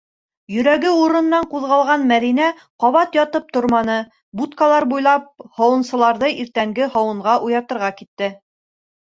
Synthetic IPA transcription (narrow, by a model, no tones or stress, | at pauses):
jɵ̆ɾæɡɘuɾɤ̆nːɑɴquðʁɑlˠʁɑnmæðinæ | qɒβɑt̪jɒt̪ɤp̚t̪ŏɾmɑnɤ | but̪kalˠɑɾbujlˠɑp̚hɑwɤ̆nsɤ̆lˠɑɾðɤʔiɾt̪æŋɡɘhɑwɤ̆ɴʁɑʔujɑt̪ɤ̆ɾʁɑkit̪ːɘ